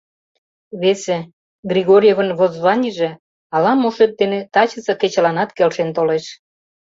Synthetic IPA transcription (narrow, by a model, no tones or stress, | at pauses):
βese | ɡrʲiɣoɾʲjevənβozβɑnʲiʒĕ | ɑlɑmuʃet̪̚d̪enet̪ɑt͡ɕə̆sɤ̆ket͡ɕlɑnɑt̪kelʃent̪oleʃ